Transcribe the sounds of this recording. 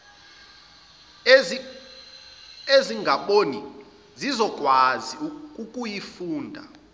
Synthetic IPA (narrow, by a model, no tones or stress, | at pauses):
eziŋʱaɓoni | zizɔk̬ʼwazikʼukʼujifuːndʱa̰